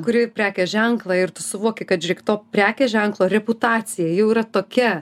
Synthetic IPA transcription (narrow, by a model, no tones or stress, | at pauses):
kʊɾʲɪpʲɾʲæːkʲɛʒʲɛŋklˠɑɪrt̪ʊsʊʋuɔkʲɪkɐt̪ʒʲɾʲɪkt̪oːpʲɾʲæːkʲɛʒʲɛŋklˠoːɾʲɛpʊt̪ɑːt͡s̪ʲɪjɛːjɛʊiːɾɐt̪oːkʲɛ